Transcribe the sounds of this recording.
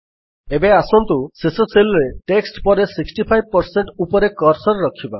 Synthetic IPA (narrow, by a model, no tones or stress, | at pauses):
ebeasɔnt̪usesɔt͡ʃʰelɾeʈeksʈpɔɾesiksʈipʰajb̚pɔɾseɳʈupɔɾekɔɾsɔɾɾɔkʰiba